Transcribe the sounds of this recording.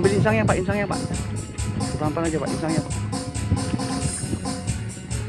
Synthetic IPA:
mbilinsaŋɲapaʔinsaŋɲapa̰ʔ | ɾampaŋad͡ʒapaʔinsaŋɲapaʔ

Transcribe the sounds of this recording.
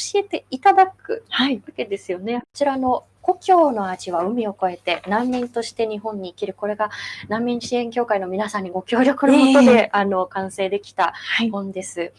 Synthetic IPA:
oɕie̞t̪e̞it̪ad̪akɯ̟̰haiβake̞d̪e̞sɨjo̞neot͡ɕiɾano̞ | ɡ̥o̞kʲo̞ːno̞aʑiβaɯ̟mʲio̞ko̞e̞t̪e̞nãmːʲĩnt̪o̞ɕi̥t̪e̞ɲ̟iɦõ̞ɲ̟ːiːkʲiɾɯ̟ko̞ɾe̞ɡanãmʲːĩɰ̃ɕiẽ̞ŋkʲo̞ːkaino̞mʲinasãɲ̟ːiɡo̞kʲo̞ːɾʲo̞kɯ̟nomot̪o̞d̪e̞ano̞kãɰ̃se̞ːd̪e̞kʲi̥t̪aahõ̞nd̪e̞sɨ

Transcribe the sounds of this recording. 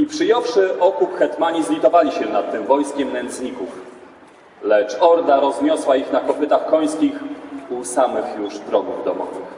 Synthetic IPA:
ipʂɘjɔfʂɘʔɔkupxɛt̪maɲizlʲit̪ɔvalʲiɕɛnat̪ːɘmvɔjskʲɛmnɛnt̪sɲikuf | lɛt͡ʂɔɾd̪aɾɔzɲɔswaixnakɔpɘt̪axkɔj̃skʲixusamɘxjuʐd̪ɾɔɡuvd̪ɔ̰mɔ̰vɘ̰x

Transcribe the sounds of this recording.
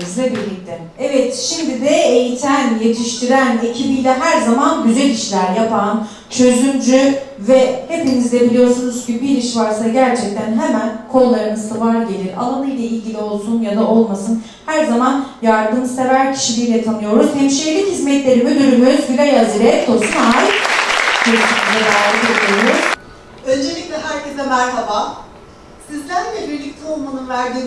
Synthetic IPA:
izlʲɛbilʲːic̚t̪ʰɛ | ɛvɛt̪ʃimd̪id̪ɛejit̪ʰænje̞t̪ʰiʃt̪ʰiɾænjecʰibijlʲɛɦæɾzamanɟyzɛliʃlʲæɾjapʰan | t͡ʃʰø̞zymd͡ʒyvɛhe̞pinizd̪ɛbilʲijo̞ɾsunuz̥cʰibiɾiʃvaɾsaɟæɾt͡ʃʰɛc̚t̪ʰænɦemænkʰo̞lˠːaɾɯnɯzt̪ʰavaɾɟe̞lʲiɾa̰lˠanɯjlʲˠailʲɟilʲio̞lˠsunjad̪ao̞lˠmasɯn | hæɾzamanjaɾd̪ɯmze̞væɾcʰi̥ʃilʲiːlʲɛt̪ʰanɯjo̞ɾuz̥hɛmʃijelʲichizmɛt̪lʲe̞ɾimid̪yɾymøɾzɟylʲɛjazɯɾɛɛt̪ʰolˠsunaːj | kʰønyt̪ynyzd̪ɛd̪aːlʲike̞d̪iijo̞ɾuz̥ | ø̞nd͡ʒe̞lʲiclʲɛɦæɾcʰezɛmæɾhaba | sizlʲænlʲɛbiɾlʲic̚t̪ʰɛolˠmanunvæɾd̪iː

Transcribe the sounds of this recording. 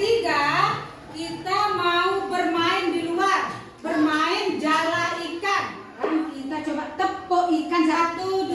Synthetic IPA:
iŋɡa | kit̪amaubərmaɪndiluar | bərmaɪnd͡ʒalaikan | kanait̪at͡ʃobat̪əpɔʔikansat̪ud

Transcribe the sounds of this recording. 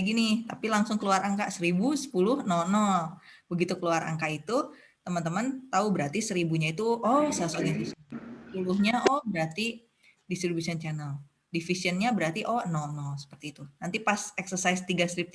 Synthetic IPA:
aɡinɪt̪apilaŋsʊŋkəluaɾʔaŋkasəɾibusə̥pulʊhnɔnɔ | bəɡit̪ukəluaɾa̰ŋkait̪u | t̪əmənt̪əmənt̪aubəɾart̪isəɾibuɲait̪uɔsaasoɡifisənsəpuluhɲaʔɔbəɾart̪i | dist̪ɾibusiənt͡ʃanəl | difisiənɲabəɾart̪iʔɔnɔnɔsə̥pərt̪iːt̪unant̪ipasɛksərsaist̪iɡast̪ɾip̪̚

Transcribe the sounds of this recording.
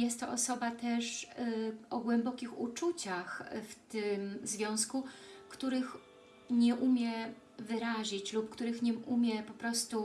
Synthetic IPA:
jɛst̪ːɔʔɔsɔbat̪ɛʂ | ʔɔɡwɛmbɔkʲixṵt͡ʂut͡ɕaxft̪ɘmzvʲjɔ̃w̃skukt̪uɾɘx | ɲɛʔumʲjɛ | vɘɾaʑit͡ɕlupkt̪uɾɘxɲɛʔumʲjɛpɔpɾɔst̪u

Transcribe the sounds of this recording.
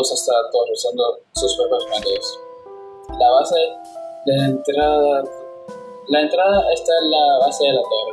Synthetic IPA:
osast̪alat̪oresand̪o | suspeβosmaɣeos | laβase | ðaent̪ɾaðða | laent̪ɾaðaʔest̪aenlaβaseðelat̪or

